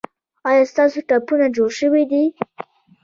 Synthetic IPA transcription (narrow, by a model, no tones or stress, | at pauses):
ɑjɑst̪ɑsoʈapunad͡ʒoɽʃəwid̪i